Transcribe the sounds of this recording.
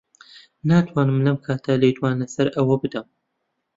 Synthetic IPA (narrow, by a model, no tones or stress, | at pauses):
naːt̪ʰwaːnɨmlɐmkʰaːt̪ʰalejt̪waːnɐsɐɾʔɐwɐbɨd̪ɐm